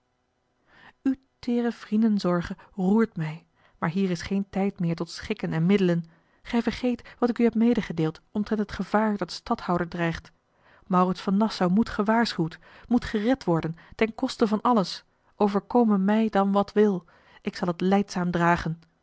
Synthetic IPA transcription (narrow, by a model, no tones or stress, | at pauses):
ytɪːrəv̥rindənzɔɹχəruːɹtmɛj | maːɹɦiːrɪsχejntɛjtmɪːɹtɔtsχɪkənɛnmɪdələn | χɛjvəɹχejtʋɑtɪkyɦɛpmejdəχədeːlˠtɔmtrɛntətχəv̥aːɹdɑtstɑthɑwdəɹdrɛjχt | mɑwrɪtsfɑnːɑsawmutχəʋaːɹsχywt | mutχərɛtʋɔɹdəntɛnkɔstəvɑnɑləs | ʔowvəɹkowmənmɛjdɑnʋɑtʋɪlˠ | ʔɪksɑlˠətlɛjtsaːmdraːχən